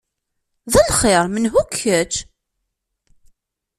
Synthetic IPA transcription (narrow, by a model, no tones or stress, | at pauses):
ðælχeɾˤmənɦukʰːət͡ʃː